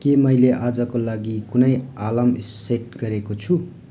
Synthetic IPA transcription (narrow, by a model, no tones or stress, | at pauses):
kemʌjleʔad͡zʌkolaɡikunʌjalamiseʈ̚ɡʌɾekot͡sʰu